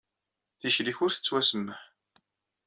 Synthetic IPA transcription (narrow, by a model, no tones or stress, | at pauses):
θiçliçʊɾθə̥t͡sːwæsəmːəħ